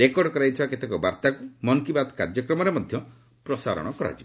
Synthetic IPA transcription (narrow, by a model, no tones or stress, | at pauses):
ɾekɔɖɔkɔɾajt̪ʰibaket̪ekɔbaɾt̪akumɔŋkibad̪kaɾd͡ʒɔkɾɔmɔɾemɔd̪ʱjɔ | pɾɔsa̰ɾɔ̰ɽ̃ɔkɔɾa̰t͡ʃi